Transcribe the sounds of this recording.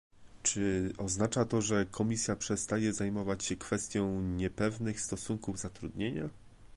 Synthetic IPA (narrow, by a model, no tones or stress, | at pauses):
t͡ʂɘɔznat͡ʂat̪ɔʐɛkʰɔmʲisʲjapʂɛst̪ajɛzajmɔvat͡ɕɕɛkfɛst̪ʲjɔ̃w̃ɲɛpɛvnɘxst̪ɔsuŋkuvzat̪ɾud̪ɲeɲa